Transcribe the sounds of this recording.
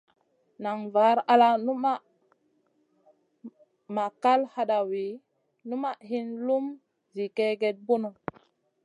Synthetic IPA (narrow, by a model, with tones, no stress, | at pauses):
na˨ŋva˨˦ɾa˦la˦nu˦ma˦ | ma˨ka˦lha˦ɗa˨wi˨˦ | nu˦ma˦ʔhi˦nlu˦m | zi˨ke˦ɡe˨t̚bu˦no˨